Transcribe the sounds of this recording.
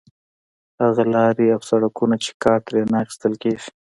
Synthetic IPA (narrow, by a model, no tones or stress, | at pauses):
haɣalɑɾiawsaɽakunat͡ʃe̥kɑːɾt̪ɾenaxi̥st̪əlkeʒi̥